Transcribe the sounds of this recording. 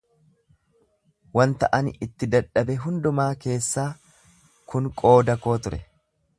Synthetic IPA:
wɐnt̪ɐ̰ʔɐnʔɪt̪ːɪd̪ɐᶑːɐbɛɦʊnd̪ʊmaːke̞ːsːaː | kʊŋkʼo̞ːd̪ɐko̞ːt̪ʊɾɛ

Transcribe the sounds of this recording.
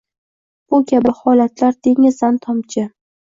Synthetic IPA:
ʊkʲʰabɪhɒlat̪ʰlaɾd̪e̞ŋɪzant̪ʰɒmt͡ʃʰɪ

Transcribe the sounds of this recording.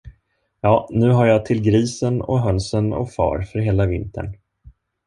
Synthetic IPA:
jɑːnʉ̟ːɦaɾjɑt̪ʰɪlɡɾiːsənɔ̰ɦœnsənɔ̰fɑ̰ːɾfœɾɦeːlavɪnt̪ʰə̰ɳ

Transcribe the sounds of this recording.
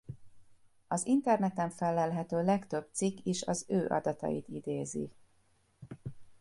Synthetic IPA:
ɒzint̪ɛrnɛt̪ɛɱfɛlːɛlɦɛt̪øːlɛkt̪øb̚t̪sikːiʃɒzøːʔɒ̰d̪ɒt̪ɒ̰jḭt̪id̪eːzḭ

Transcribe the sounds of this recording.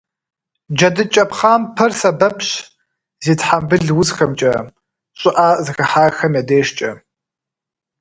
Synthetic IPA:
d͡ʒɐdɨt͡ʃʼɐpχaːmpʰɐrsɐbɐpʰɕ | ziːtħambɨɮwʊzxɐmt͡ʃʼɐ | ɕʷʼɪʔaːzɨxɐħaːxɐmjadeːʃt͡ʃʼɐ

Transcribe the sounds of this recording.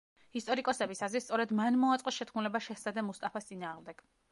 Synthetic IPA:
ist̪ʼɔɾikʼɔsɛbisazɾist̪sʼɔɾɛd̪manmɔat̪sʼɔsʃɛt̪ʰχmulɛbaʃɛsad̪ɛmust̪ʼapʰast̪sʼinaːʁmd̪ɛɡ̥

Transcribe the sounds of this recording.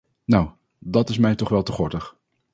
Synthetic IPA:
naw | dɑtɪsmɛjtɔχʋɛlˠtəχɔɹtəχ

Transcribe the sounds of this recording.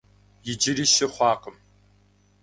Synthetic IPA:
jɪd͡ʒɪɾiʃɐχʷɑːqəm

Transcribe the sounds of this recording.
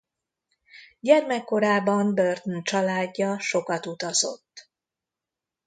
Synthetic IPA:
ɟɛrmɛkːo̞ɾaːbɒmbørt̪ont͡ʃɒlaːɟːɒʃo̞kɒt̪ut̪ɒzo̞̰t̪ː

